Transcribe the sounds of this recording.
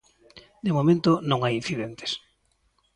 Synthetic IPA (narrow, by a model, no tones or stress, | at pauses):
d̪emomẽnt̪onõŋajin̟θiðent̪e̥s